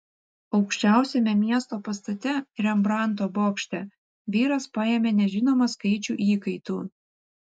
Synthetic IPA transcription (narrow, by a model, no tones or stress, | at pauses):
ɒʊkʃʲt͡ʃʲæˑʊsʲɛmʲɛmʲiɛst̪oːpɐst̪ɐt̪ʲɛɾʲɛmbɾɑˑnˑt̪oːboːkʃʲt̪ʲɛ | ʋʲiːɾɐspɑjemʲeːnʲɛʒʲɪnoːmɐskɐɪt͡ʃʲuːʔiːkɐɪt̪uː